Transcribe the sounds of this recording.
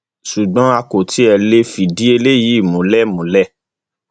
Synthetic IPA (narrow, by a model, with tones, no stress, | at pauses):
su˨ɡ͡bɔ̃˨˦a˧ko˨tʰi˨˦ɛ˨le˦fi˨di˨˦e˧le˦˨ji˨˦˨mũ˨˦lɛ˦mũ˨˦lɛ˦